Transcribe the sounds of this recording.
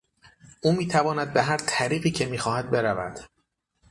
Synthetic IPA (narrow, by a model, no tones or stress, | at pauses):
ʔuːmiːt̪ʰævɒːnæd̪̚be̞ɦæɾt̪ʰæɾiːɢiːcʰe̞miːxɒːhæd̪̚be̞ɾævæ̰d̪̥